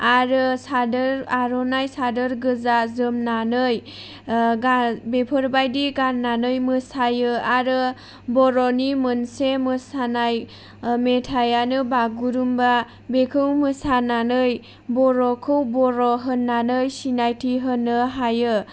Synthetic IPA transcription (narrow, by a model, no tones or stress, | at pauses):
aɾɯsadəɾaɾɔnajsadɯɾɡɯzazɯmnanɯj | ɡabepʰɯɾbajdiɡannːanɯjmɯsajɯaɾɯ | bɔɾɔnimɯnsemɯsanaj | metʰajanɯbaɡuɾumba | bekʰɯwmɯsananɯj | bɔɾɔkʰɯwbɔɾɔɦɯnːanɯjsinajtʰiɦɯnɯɦajɯ